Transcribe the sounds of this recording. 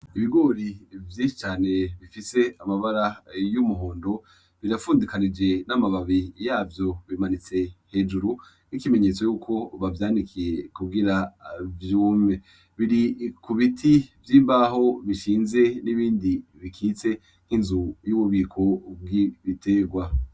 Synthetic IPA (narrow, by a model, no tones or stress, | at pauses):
iβiɡo̞ɾivjiːʃi̥t͡ʃaːne̞βifise̞amaβaɾajumuɦoːndo̞ | βiɾafuːndikanid͡ʒe̞namaβaβijaːvjo̞βimanit͡se̞he̞ːd͡ʒuɾu | nikime̞ɲe̞ːt͡so̞juːkʰo̞βavjaːndikʰije̞kuɡiɾavjuːme | βiɾikuβitʰivjiːmbaɦo̞βiʃiːnze̞niβiːndiβikʰiːt͡se̞ | ŋ̥hinzujuβuβiːkʰo̞b̚ɡiβitʰe̞ːɡwa